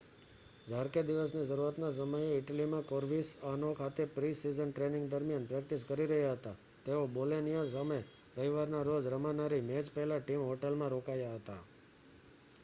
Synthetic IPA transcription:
d͡ʒʱaɾked̪iʋəsnid͡ʒəɾuɾat̪nas̬əməjeɪʈəlimãkoɾʋisanokʰat̪epɾisizənʈɾenɪ̃ŋɡd̪əɾmijanpɾɛk̚ʈiskəɾiɾəɦjaɦət̪a | t̪eobolenijasəməj | ɾəɦiʋaɾnaɾod͡ʒɾəmanaɾimed͡ʒpəɦlaʈimɦoʈelmãɾokajaɦət̪a

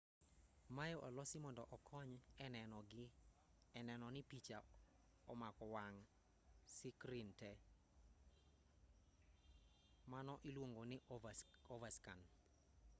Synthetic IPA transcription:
majɔʔɔlɔsimɔndɔʔɔkʰɔɲɛnnɔɡ | ɛnɛnɔnɪpit͡ʃa̰ | ɔmakɔwaŋ | sɪkɾintɛ | manɔʔilwoŋɡonɪ | ɔvaskan

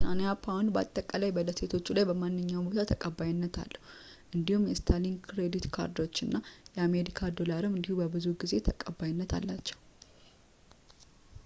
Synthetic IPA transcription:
sanejapʰawnuba̰t̪ʼːəkʼalajbələse̞t̪ʰo̞t͡ʃːulajbəmanːɨɲːawbo̞t̪ʰat̪ʰəkʼəbːajnːət̪ʰa̰lːəhu | ʔɨnd̪ihumjɛst̪ʰalinkʰɾe̞d̪it̪kʰa̰ɾd̪o̞t͡ʃːɨnːajɛame̞ɾikʰad̪o̞laɾɨmɨnd̪ihubəbɨzuɡize̞t̪ʰəkʼəbːajɪnːət̪ʰa̰lːat͡ʃːɛw

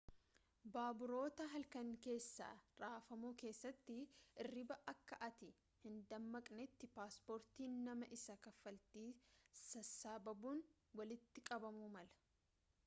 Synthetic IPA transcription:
baːbʊɾo̞ːt̪ɐɦɐlkɐŋke̞ːsːa̰ːɾaːfɐmuːke̞ːsːɐt̪ːɪʔɪrːɪbɐʔɐkːɐʔɐt̪ɪ | hɪnd̪ɐmːɐkʼnɛt̪ːɪpaːspoːɾt̪iːnːɐmɐʔɪsɐkɐfɐlt̪iːsɐsaːbɐbuːn | wɐlɪt̪ːɪkʼɐbɐmumɐlɐ̥

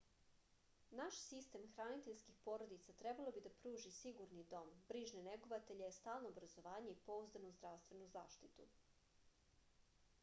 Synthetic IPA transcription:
naʃsist̪eːmxɾaːnit̪eʎskixpo̞ːɾod̪it̪sat̪ɾebalˠo̞bid̪apɾuːʒisiɡuɾnid̪o̞mbɾiːʒneneɡoʋat̪eʎest̪aːlˠnoːbɾazo̞ʋaːɲe̞ipo̞uzd̪anozd̪ɾaʋst̪ʋe̞nuza̰ːʃt̪it̪ṵ

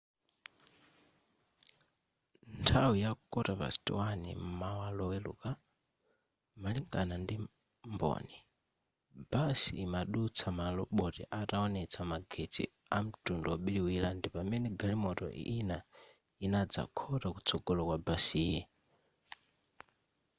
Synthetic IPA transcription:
ntʰawijaukɔtapa̰si̥tḭwanḭm̩mawalɔwɛlṵka | maliŋɡanandi | mbɔ̰ni | b̥asḭːmaɗut͡sʰamalɔɓɔtɛʔataɔnɛt͡sʰamaɡʱet͡sʰḭam̩tʼundɔɔɓiliwilandipamɛnɛɡalimɔtɔ̰ina | inad͡za̰kʰɔtakut͡sʰɔɡ̥ɔlɔkwabasijɛ

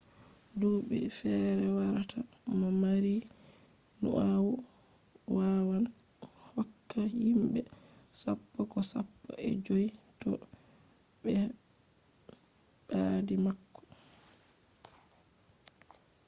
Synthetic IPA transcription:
duːɓɛ̰fɛɾɛwaɾatʰamɔmaɾi | nṵʔawu | wawan | hɔkːahimbɛsapːɔkɔsapːɔʔɛ̰d͡ʒojtɔ | bɛ | ɓadimakːɔ̥

